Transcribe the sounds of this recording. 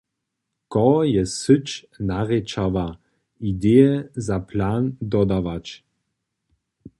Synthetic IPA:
kɔjɛsɨt͡ʃ | naʁɛt͡ʃava | ideɛzaplaːnd̪ɔd̪avat͡ʃ

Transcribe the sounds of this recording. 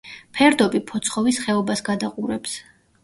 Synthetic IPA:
pʰɛɾd̪ɔbipʰɔt̪sʰχɔvisχɛɔbasɡad̪aqʼuɾɛps

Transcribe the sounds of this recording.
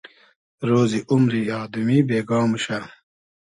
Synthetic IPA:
ɾoːziʔumɾiaːd̪umibeːɡaːmɕa

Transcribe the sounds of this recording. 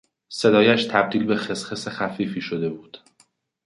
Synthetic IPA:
se̞d̪ɒːjæʃt̪ʰæb̚d̪iːlbe̞xe̞sχesexæfiːfiːʃo̞d̪e̞buːd̪̥

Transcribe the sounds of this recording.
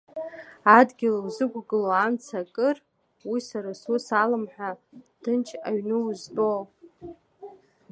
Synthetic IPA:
adɡʲɪlawzɨɡʷɡɨloamt͡sʰakʼɨr | wisaɾasusalɨmħʷᶣad̥ɨnt͡ʃʰaɥnɨuzbo

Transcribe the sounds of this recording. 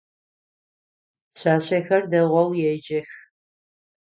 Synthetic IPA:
ɕaːɕɐxɐrdɐʁʷɔwjɛd͡ʒɐx

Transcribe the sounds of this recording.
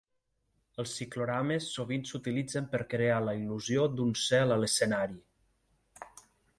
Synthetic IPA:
əlˠsːikluɾamesːoβ̞insut̪ilid͡zəmpəɾkɾealəiluziod̪unsɛlələsənaɾi

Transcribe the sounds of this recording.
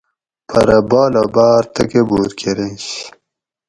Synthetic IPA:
pʰɐ̰ɾɐbɑːlobaːɾt̪ɐkebuːɾkʰeɾenɕ

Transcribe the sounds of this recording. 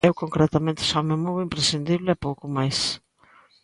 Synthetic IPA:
ewkoŋkɾɛt̪ɐmẽnt̪ɪ̥samemowimpɾesind̪iβlɪɛpowkʊmajs

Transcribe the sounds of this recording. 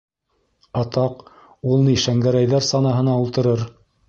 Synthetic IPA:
ɑt̪ɑq | ulˠniʃæŋɡæɾæjðæɾsɑnɑɦɤ̆nɑulˠt̪ɤ̆ɾɤɾ

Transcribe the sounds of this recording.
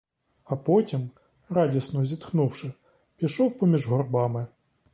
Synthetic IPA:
ɐpɔtʲim | ɾɑdʲisnɔzʲit̪xnuwʃɪ | pʲiʃɔwpɔmʲiʒɦɔrbɑmɪ

